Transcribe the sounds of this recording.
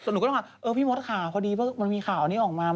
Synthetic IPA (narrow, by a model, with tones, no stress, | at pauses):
so˨˩˦nu˧˦k̪ːa˧˩ʔɤː˧pʰiː˥˩mo˦˥t̪̚kʰaː˨˩˦pʰɔː˧diː˧bɯ˥˩ma˧nmiː˧xʰaː˨˩wʔa˧nːiː˦˥ʔɔː˨˩k̚maː˧